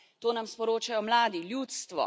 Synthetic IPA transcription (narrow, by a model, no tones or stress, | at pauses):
t̪oːnamspɔɾoːt͡ʃajɔmlaːd̪iljut̪st̪ʋɔ̰